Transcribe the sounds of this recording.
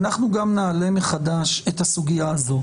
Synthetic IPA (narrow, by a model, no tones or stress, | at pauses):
naχnuɡamnaːle̞meχadaʃet̪hasuɡijaːzo̞